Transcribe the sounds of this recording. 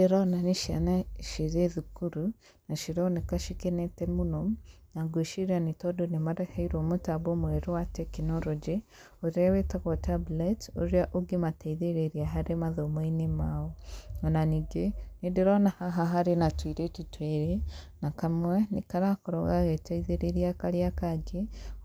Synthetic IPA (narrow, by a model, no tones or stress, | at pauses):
eɾɔnaniʃia̰naʃiɾeðukuɾu | naʃiɾonekaʃikenetemuno | naɡeʃiɾianitodonemaɾehaiɾomotaβomweɾowatɛkinoɾɔd͡ʒi | oɾawetaɣotabletoɾjaʔoɡemateiðeɾeɾjaɦaɾemaðomweinimawoonaniɡenidiɾonahaɦaɦaɾenatwiːɾecitweɾenakamwenḭkaɾakoɾoɣaɣetaiðeɾeɾjakaɾjakaɟe